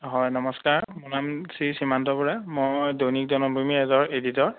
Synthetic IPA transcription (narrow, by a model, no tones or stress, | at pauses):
ɦɔjnɔmɔskaɹmunamsisimantɔpɔɹamojdownik̚dɔnɔbumiɛzɔɹeditɔɹ